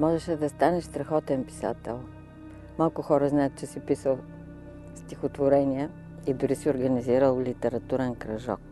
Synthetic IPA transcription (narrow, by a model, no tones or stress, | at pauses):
mɔʒɛʃɛd̪ɐst̪anɛʃst̪ɾɐxɔt̪ɛnpi̥sa̰t̪ɛ̰lˠ | malˠkʊxɔɾəznajət̪̚t͡ʃɛsɛpisəlˠ | st̪ixot̪voɾɛniɛ | id̪ʊɾisɛʊɾɡəniziɾəlˠlit̪ɛɾɐt̪uɾɛnkɾɐʒɔ̰k